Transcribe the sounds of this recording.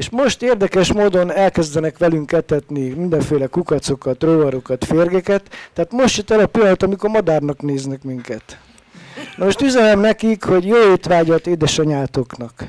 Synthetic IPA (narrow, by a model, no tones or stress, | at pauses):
eʃmo̞ʃt̪eːrd̪ɛkɛʃmoːd̪o̞nɛlkɛzd̪ɛnɛkʋɛlyŋkɛt̪ɛt̪nimind̪ɛɱfeːlɛkukɒt̪so̞kɒt̪roːvɒɾo̞kɒt̪feːrɡɛkɛt̪ːɛaːt̪mo̞ʃt̪t͡ʃit̪ːɛlɒpilːɒnɒt̪ɒmiko̞rmɒd̪aːrnɒkneːznɛkmiŋkɛt̪ | nɒoʃt̪yzɛlɛmnɛkikho̞ɟjoːeːt̪ʋaːɟɒt̪eːd̪ɛʃɛɲaːt̪oknɒk